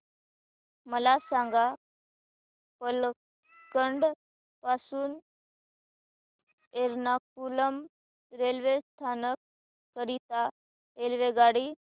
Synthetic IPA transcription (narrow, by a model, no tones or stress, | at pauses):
məlasãŋɡa | pəl | kəɳɖ | pasuːn | eɾnak̚uləm | ɾelʋest̪ʰanəkː | əɾit̪a | elʋeɡaɽi